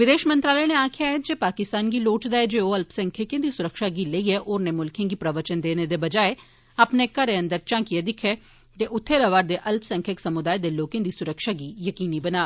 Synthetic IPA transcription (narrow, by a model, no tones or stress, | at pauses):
ʋɪd̪eːʃmə̃nt̪ɾaːləneaːkʰjaɛd͡ʒeːpaːkɪst̪aːnɡiːloːʈd̪aːɛd͡ʒeːoɐlpsɛ̃ŋkʰekẽnd̪isʊɾəkʃaːɡiləiɛʔoːɾnemʊlkʰẽɡipɾəʋət͡ʃənd̪eːned̪ebɐd͡ʒaːe | ɐpnekəɾeə̃nd̪əɾt͡ʃãːkied̪ɪkʰe | t̪eʔʊt̪ʰːeɾəʋaːɾd̪eʔɐlpsɛ̃ŋkʰeksɐmʊd̪aːed̪eloːkẽːd̪iːsʊɾəkʃaːɡiːjəkiːnibənaː